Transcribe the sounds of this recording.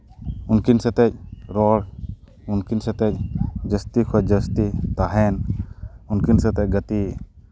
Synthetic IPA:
unkinsɛt̪ɛc̚ɾɔɽ | unkinsɛt̪ɛc̚d͡ʒəst̪ikʰɔd͡ʒəst̪it̪aɦɛn | unkinsɛt̪ɛc̚ɡət̪i

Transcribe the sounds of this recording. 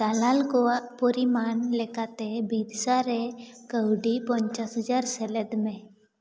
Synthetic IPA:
t̪alalkopoɾimaːnlekat̪ebiːd̪saɾekəwɖipɔɲt͡ʃasɦəd͡ʒaɾseləd̪mẽ

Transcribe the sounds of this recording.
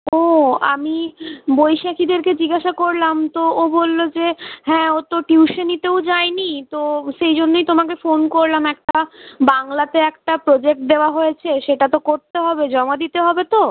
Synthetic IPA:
oa̰mibojʃakʰid̪eɾked͡ʑiɡaʃakoɾlamt̪oobolːod͡ʑeɦɛ̃ːot̪oʈuuʃenit̪eod͡ʑaenit̪oʃejd͡ʑonːejt̪omakefonkoɾlamɛk̚ʈabaŋlat̪eɛk̚ʈapɾod͡ʑek̚ʈ̚d̪eoaɦojet͡ɕʰeʃeʈat̪okoɾt̪eɦɔbed͡ʑɔmad̪it̪eɦɔbet̪o

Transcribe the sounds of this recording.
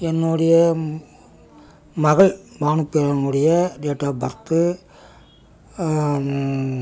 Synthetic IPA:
ɛnːuɽɐjɐ | mɐɣɐɭmaːɳɯpːeːɾɐŋɡɯɽɐjɐɖeːʈːaːbɐɾt̪ːɯ

